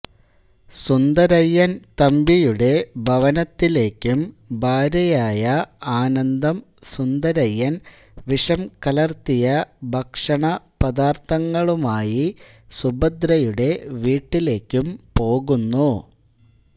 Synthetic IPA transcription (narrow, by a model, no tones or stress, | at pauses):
sund̪ɐɾɐjːɐnt̪ɐmbijuɽe̞bʱɐʋɐnɐt̪ːile̞ːkʲːumbʱaːɾɐjaːjɐaːnɐnd̪ɐm | sund̪ɐɾɐjːɐn | ʋiʂɐmkɐlɐrt̪ijɐbʱɐkʂɐɳɐpɐd̪aːrt̪ɐŋːɐɭumaːji | subɐd̪ɾɐjuɽe̞ʋiːʈːile̞ːkʲːumpo̞ːɣunːu